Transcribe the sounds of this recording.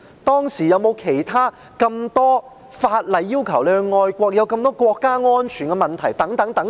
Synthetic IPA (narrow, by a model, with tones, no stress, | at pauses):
t̪ɔː˥ŋsiː˨˩jɐ˨˧wmo˨˧wkʰe˨˩jt̪ʰaː˥ | kɐ˧mt̪ɔː˥ | faː˧t̚lɐ˨˧jːiː˥wkʰɐ˨˩wlœ˨˧ŋɔː˧jkʷɔː˧k̚jɐ˨˧wkɐ˧mt̪ɔː˥kʷɔː˧kːaː˥ŋɔː˥nt͡ʃʰyː˨˩nkɛ˧mɐ˨nt̪ʰɐ˨˩jt̪ɐ˨˥ŋt̪ɐ˨˥ŋt̪ɐ˨˥ŋ